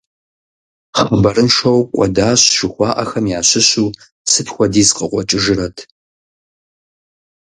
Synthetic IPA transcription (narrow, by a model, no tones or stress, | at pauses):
χɐbɐɾɨnʂɐwqʷʼɔ̰daːɕʒ̥ɨxʷɑːʔɐxɐmjaːɕɪɕuː | sɨtxʷɔdiːzqʼəqʷʼɔt͡ʃʼɨʒɨɾɐtʰ